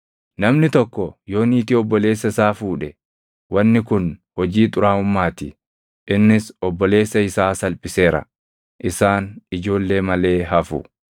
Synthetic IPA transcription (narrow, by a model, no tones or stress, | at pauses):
nɐmnɪt̪ɔkːɔjo̞ːniːt̪ɪɔbːɔle̞ːsːɐɪsaːfuːᶑɛ | wɐnːɪkʊnhɔd͡ʒiːt̪ʼʊɾaːhʊmːaːt̪ɪ | ʔɪnːɪsɔbːɔle̞ːsːɐɪsaːsɐlpʼɪse̞ːɾɐ̰ | ʔɪsaːnɪd͡ʒo̞ːlːe̞ːmɐle̞ːɦɐfʊ̰